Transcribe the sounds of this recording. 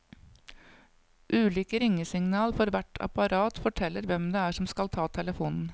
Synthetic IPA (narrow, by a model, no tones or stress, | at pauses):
ʔʉːlʏkəɾɪŋːəsɪŋnɑːlfɔɾʋæʈʰɑ̰pɑɾɑːt̪fɔʈʰɛlːəɾʋɛmd̪ɛæːʂɔmskɑlt̪ʰɑːt̪ʰɛləfuːnn̩